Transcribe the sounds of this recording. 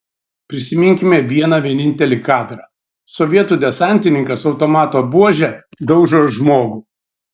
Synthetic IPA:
pʲɾʲɪsʲɪmʲɪŋʲkʲɪmʲɛʋʲiɛnɑʋʲiɛnʲɪnʲt̪ʲɛlʲikɑːd̪ɾɑ | sɔʋʲiɛt̪uːd̪ʲɛsɑˑnʲt̪ʲɪnʲɪŋkɐsɒʊt̪oːmɑːt̪oːbuɔʒʲɛd̪ɐʊɡʒʲʒmoːɡʊ

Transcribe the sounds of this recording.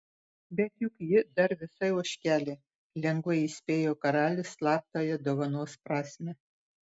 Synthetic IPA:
bʲɛt̪jʊkjɪd̪ɐɾʋʲɪsɐɪuɔʃʲkʲæːlʲeː | lʲɛŋɡʋɐɪisʲpʲeːjoːkɐɾɑːlʲɪslˠɑːp̚ʲt̪oːjɛd̪oːʋɐnoːspɾɑːsʲmʲɛ

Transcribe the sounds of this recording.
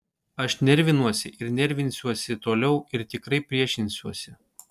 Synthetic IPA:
ɐʃnʲɛɾʲʋʲɪnuɔsʲɪʔɪɾnʲɛɾʲʋʲɪnʲsʲuɔsʲɪt̪oːlʲɛʊɪɾt̪ʲɪkɾɐɪpʲɾʲiɛʃʲɪnʲsʲuɔsʲɪ

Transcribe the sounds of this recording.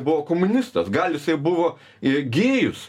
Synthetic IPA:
bʊʋoːkoːmʊnʲɪst̪ɐsɡɐlʲˠjɪsɐɪbʊʋoː | ɪɡʲeːjʊs

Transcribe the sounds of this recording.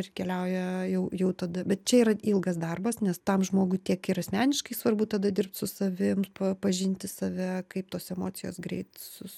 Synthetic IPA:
rkʲɛlʲɛʊjɛjɛʊjɛʊt̪ɐd̪ɐbʲɛt̪̚t͡ʃʲɛiːɾɐilˠɡɐsd̪ɐrbɐsnʲɛst̪ɐmʒmoːɡʊɪt̪ʲiɛkɪɾɐsʲmʲæːnʲɪʃkɐɪsʋɐrbʊt̪ɐd̪ɐd̪ʲɪrp̚t̪sʊsɐʋʲɪmpɐpɐʒʲɪnʲt̪ʲɪsɐʋʲɛkɐɪp̚t̪oːsɛmoːt͡sʲɪjoːsɡɾʲɛ̰ɪt̪sʊ

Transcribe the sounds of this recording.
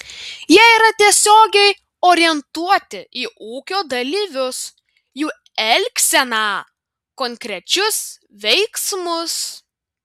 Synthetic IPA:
jiɛiːɾɐt̪ʲiɛsʲoːɡʲɛɪ | oːɾʲɪjɛnt̪uɔt̪ʲɪʔiːʔuːkʲoːd̪ɐlʲiːʋʲʊs | juː | ɛlʲksʲɛnɑː | kɔŋʲkɾʲɛt͡ʃʲʊs | ʋʲɛɪksmʊs

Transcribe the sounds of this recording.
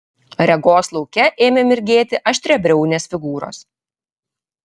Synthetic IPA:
ɾʲɛɡoːslˠɒʊkʲɛʔeːmʲemʲɪɾʲɡʲeːt̪ʲɪʔɐʃʲt̪ʲɾʲɛbʲɾʲɛʊnʲeːsfʲɪɡuːɾo̰ːs

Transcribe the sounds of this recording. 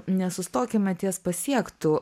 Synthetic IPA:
nʲɛsʊst̪oːkʲɪmʲɛt̪ʲiɛspɐsʲiɛkt̪ʊ

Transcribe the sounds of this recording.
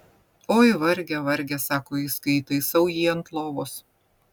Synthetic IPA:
oːɪʋɐɾʲɡʲɛʋɐɾʲɡʲɛsɑːkoːɪskɐɪt̪ɐɪsɐʊjiːɐnt̪lˠoːʋoːs

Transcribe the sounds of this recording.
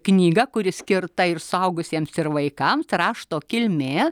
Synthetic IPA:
knʲiːɡɐkʊɾʲɪsʲkʲɪɾt̪ɐɪɾsʊɐʊɡʊsʲiɛmsɪɾʋɐɪkɐmsrɑːʃt̪oːkʲɪlʲmʲeː

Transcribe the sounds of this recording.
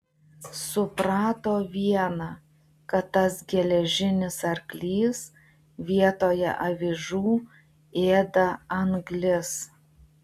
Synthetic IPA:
sʊpɾɑːt̪oːʋʲiɛnɑ | kɐt̪ːɐsɡʲɛlʲɛʒʲɪnʲɪsɐɾklʲiːs | ʋʲiɛt̪oːjɛ̰ʔɐʋʲɪʒuː | eːd̪ɐɐŋɡlʲɪs

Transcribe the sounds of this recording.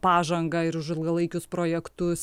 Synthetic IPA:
pɑːʒɐŋɡɐɪɾʊʃɪlˠɡɐlˠɐɪkʲʊspɾoːjɛkt̪ʊs

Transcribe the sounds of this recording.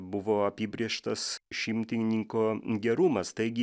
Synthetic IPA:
bʊʋoːɐpʲiːbʲɾʲiɛʃt̪ɐsʃʲɪmʲt̪ʲɪnʲnʲɪŋkoːɡʲɛɾʊmɐst̪ɐɪɡʲɪ

